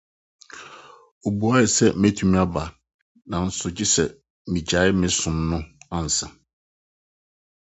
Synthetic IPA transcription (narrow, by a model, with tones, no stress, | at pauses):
o˨bu˨a˦ɪ˨sɛ˦mɛ˦tʰu˨˦mĩ˦a˦ba˨ | nã˨n̩˦sʊ˨d͡ʑɪ˦sɛ˨ | mĩ˨d͡ʑa˨˦ɪ˦mɪ̃˦sʊ̃˨m˦nʊ̃˦ã˦˨n̩˨sã˨